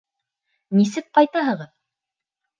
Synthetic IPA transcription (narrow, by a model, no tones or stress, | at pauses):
nisɘk̚qɑjt̪ɑɦɤ̆ʁɤð